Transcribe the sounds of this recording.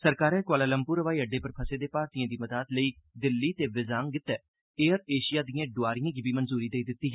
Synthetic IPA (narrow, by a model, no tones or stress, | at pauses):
səɾkaːɾɛːkwaːlaːləmpʊɾəʋaːiːəɖːeːpəɾpʰəseːd̪eːpaːɾt̪ijãːd̪iːməd̪aːt̪ləiːd̪ɪlːiːt̪eːʋɪzaːŋɡɪt̪ːɛː | eːəɾeːʃɪjaːd̪ijãːɖʊaːɾijãːɡiːbiːmənzuːɾiːd̪eːiːd̪ɪt̪ːiːɦɛː